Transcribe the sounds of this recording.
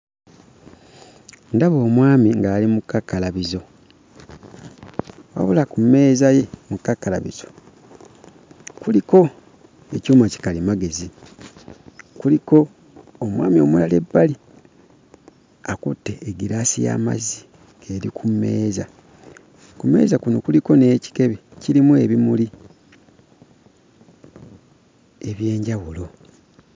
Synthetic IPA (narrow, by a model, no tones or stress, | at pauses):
ndaβo̞ːmwaːmiŋɡaːlimukːakːalaβizo̞ | wa̰βulakumːe̞ːzaje̞mukːakːalaβiz̥o̞ | kuliko̞ | e̞coːmaci̥kalimaɡe̞zi | kuliko̞ː | mwa̰ːmio̞mulale̞̰bːali | akutːe̞ːɡiɾaːsija̰ːma̰zi | ɡ̥e̞ɾikʰumːe̞ːza̰ | kume̞̰ːzakuno̞kuliko̞ne̞ːci̥ke̞βeciɾimue̞βimuli | e̞βje̞ːɲɟawulo̞